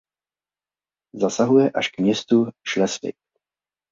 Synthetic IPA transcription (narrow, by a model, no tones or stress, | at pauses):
zasaɦujɛʔaʃkmɲɛst̪uʃlɛsvɪ̰k̚